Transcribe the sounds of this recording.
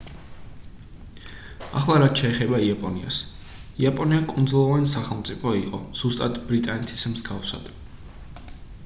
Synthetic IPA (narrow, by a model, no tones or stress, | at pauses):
a̰χlˠaɾat̪ʃɛːχɛbaiapʼɔnia̰s | iapʼɔniakʼund̪zulˠɔvanisaχɛlˠmt̪sʼipʰɔiqʼɔz̥ust̪ʼad̪bɾit̪ʼanɛt̪ʰi̥smzɡafsa̰d̪̥